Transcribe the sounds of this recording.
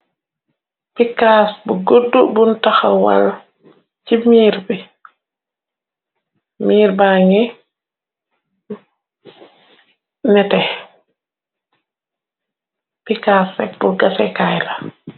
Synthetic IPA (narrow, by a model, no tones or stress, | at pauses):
pikasbuɡodːubuntaxawa̰l | t͡ʃimiːɾbi | miːɾbaŋi | nɛtɛ | pikasɛbuɡasɛkajla